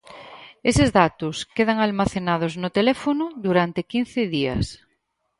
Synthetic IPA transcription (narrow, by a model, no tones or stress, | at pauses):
esɪzðat̪ʊskeð̞aŋalmaθenað̞ʊznʊt̪elɛfonʊðuɾant̪ekin̟θɪðiɐ̰s